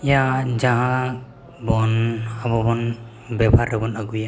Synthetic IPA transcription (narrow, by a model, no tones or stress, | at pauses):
ijad͡ʒaɦã | bɔnabɔbɔn | bɛbʱaɾɛbɔnaɡuja